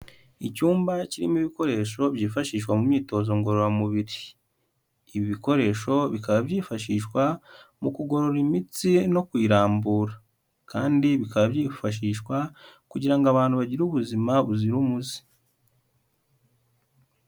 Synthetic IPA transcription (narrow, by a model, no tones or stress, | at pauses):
icuːmbaciɾḭmiβiko̞ɾe̞ːʃo̞βjiːfaʃiːʃkwamumɲiːto̞ːzo̞ŋɡo̞ɾoɾamuβiɾiː | βiβiko̞ɾe̞ːʃo̞βikaβabjiːfaʃiːʃkwamukuɡo̞ɾo̞ɾimit͡sino̞kwiːɾaːmbuːɾa | kaːndiβikaβaβjiːfaʃ̬iːʃwakuɟiɾaŋɡaβaːn̥huβaɟiɾuβuzimaβuziɾumuzi̥